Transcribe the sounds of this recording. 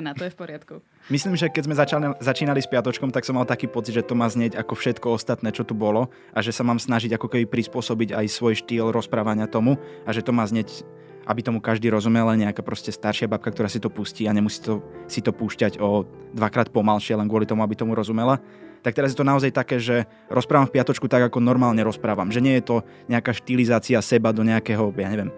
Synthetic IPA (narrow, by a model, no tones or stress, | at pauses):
nat̪ɔjɛfpɔɾɪat̪ku | misliːmʒɛkːɛzmɛzat͡ʃalzat͡ʃiːnalispɪat̪ɔt͡ʃkɔmt̪aksɔmːalt̪akiːpɔt͡sid̪ʒɛt̪ɔmaːzɲɛɟakɔfʃɛt̪kɔɔst̪at̪nɛːt͡ʃɔt̪ubɔlɔ | ʔaʒɛsamaːmsnaʒiɟakɔkɛbipɾispʊɔsɔbiɟajsʋɔjʃt̪iːlɾɔspɾaːʋaɲɪat̪ɔmuaʒɛt̪ɔmaːzɲɛc | ʔa̰bit̪ɔmukaʒd̪iːɾɔzumɛlaɲɛakaːpɾɔscɛst̪aɾʃɪabap̚kakt̪ɔɾaːsit̪ɔpusciːaɲɛmusi̥ːt̪ɔsit̪ɔpuːʃcaɟɔ | d̪ʋakɾaːt̪̚pɔmalʃɪɛlɛnɡʊwɔlit̪ɔmuabit̪ɔmuɾɔzumɛla | t̪akt̪ɛɾazjɛt̪ɔnaɔzajt̪akɛːʒɛ | ɾʔɔspɾaːʋamfpɪat̪ɔt͡ʃkut̪aɡakɔnɔɾmaːlɲɛɾɔspɾaːʋamʒɛɲɪɛjɛt̪ɔ | ɲɛakaːʃt̪ilizaːt͡siasɛbad̪ɔɲɛakɛɦɔjaːɲɛʋɛm